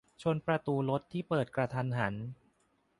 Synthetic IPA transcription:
t͡ɕʰo˧npɾa˧t̪uː˧lo˦˥t̪ʰːiː˥˩pɤː˨˩t̪̚kɾa˧t̪ʰa˧nɦa˩˦n

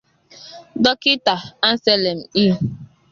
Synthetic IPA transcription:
dɔ˦kɪ˦ta˨a˦n̩˦sɛ˦le˨m̩˨i˦

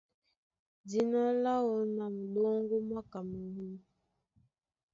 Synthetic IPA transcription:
di˦na˦la˦wo˨˦na˨m̩˨ɗɔ˦ŋɡo˦ma˦ka˨mə˨wu˦

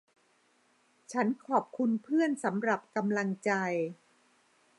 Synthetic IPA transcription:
t͡ɕʰa˦˥nkʰɔː˨˩p̚kʰu˧npʰɯ˥˩ənsa˩˦mɾa˨˩p̚ka˧mla˧ŋt͡ɕa˧j

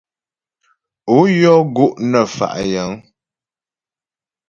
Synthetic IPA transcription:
o˨˦jɔ˦ɡu˦ʔnə˨fa̰˨ʔjə˨˦ŋ

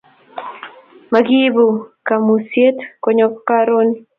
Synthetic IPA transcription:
ma˨ɡi˦bu˨ka˨mu˨sje˦tkɔɲɔ˦kkaɾo˦ni

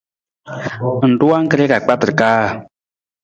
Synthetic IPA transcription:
n̩˨tu˦a˦ŋ̩˦kə˦ɾɛ˦ka˨k͡pa˦tɨ˨ɾɨ˨kaː˦˨

